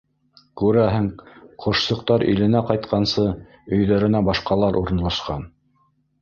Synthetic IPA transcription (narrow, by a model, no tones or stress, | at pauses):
kʉɾæɦɘŋqʰŏʃsɤ̆q̚t̪ɑɾʔḭlɘ̆næqɑjt̪qʰɑnsɤ | ɵ̆jðæɾɘ̆næbɑʃqɑlˠɑɾʔuɾɤ̆nlˠɑʃqɑn